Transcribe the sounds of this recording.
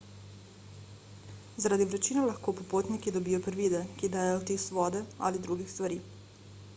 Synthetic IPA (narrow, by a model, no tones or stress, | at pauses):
zaɾad̪iʋɾɛt͡ʃiːnalaxkoːpopoːt̪nikid̪obiːjopɾʋiːd̪ɛkid̪ajajot̪esʋɔːd̪ɛa̰lid̪ɾuːɡixst̪ʋaɾiː